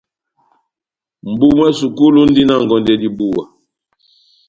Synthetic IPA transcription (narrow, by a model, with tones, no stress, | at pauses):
m̩˨bu˦mwɛ˦su˨ku˦lu˦n̩˦di˦na˦˨ŋ˨ɡɔ˨ndɛ˦di˦bu˦wa˨